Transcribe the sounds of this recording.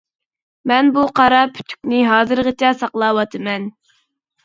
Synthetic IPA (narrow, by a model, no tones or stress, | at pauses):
mɛnbuqʰɑɾɑpʰy̥t̪ʰy̥kʲnɪɦɑːzɨɾʁət͡ʃʰɑsɑqlˠɑːwɑt̪ʰɨmɛn